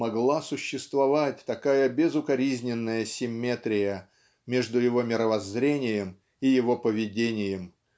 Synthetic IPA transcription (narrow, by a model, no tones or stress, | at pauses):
ɐɡlˠasʊɕːɪst̪vɐvat̚ʲt̪ɐkajəbʲɪzʊkɐɾʲizʲnʲɪnːəjəsʲɪmʲːe̞t̪ɾʲɪjə | mʲeʐd̪ʊjɪvo̞mʲɪɾəvɐzɾʲenʲɪjəm | ijɪvo̞pəvʲɪdʲenʲɪjəm